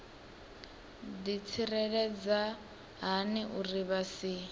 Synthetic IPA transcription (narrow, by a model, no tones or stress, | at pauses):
dit͡sʰirɛɺɛd͡za | ɦaniʔuriβasiː